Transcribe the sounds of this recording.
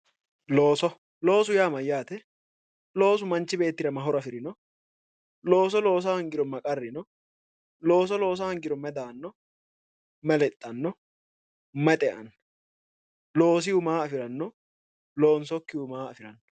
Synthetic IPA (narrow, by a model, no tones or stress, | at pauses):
loːsɔ | lo̞ːs̬ʊjaːmɐjːaːt̪ɛ | lo̞ːs̬ʊmɐnt͡ʃːɪbe̞ːt̪ːɪɾɐmɐɦɔɾɐfɪɾɪnɔ | lo̞ːs̬ɔlo̞ːs̬ahɐŋɡɪɾɔmɐkʼɐrːɪnɔ | lo̞ːs̬ɔlo̞ːs̬ahɐŋɡɪɾɔmɛd̪aːnːɔ | mɛlɛt̪ʼːɐnːɔ | mɛt̪ʼɛʔɐ̰nɔ | lo̞ːs̬ɪjʊmaːɐfɪɾɐnːɔ | lo̞ːnsɔkːɪʊmaːɐ̰fɪɾɐnː